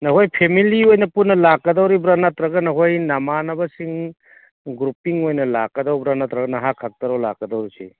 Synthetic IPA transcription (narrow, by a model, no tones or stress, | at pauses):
nɐɦojpʰemiliojnɐpunːɐlakːɐdawɾibɾanatɾɐɡɐnɐɦojnɐmanɐbɐsiŋ | ɡɾupiŋojnɐla̰kːɐdawbɾanat̪ɾɐɡɐnɐɦakʰak̚tɐɾawla̰kːɐdawɾisḭ